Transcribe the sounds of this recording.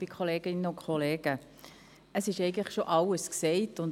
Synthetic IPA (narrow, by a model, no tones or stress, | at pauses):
b̥ikʰχoleːɡ̥ɪnːəʊnkχoleːɡ̥ə | əsɪʃɛɪɡəntləχʃoʔɑləsksɛɪtʊnd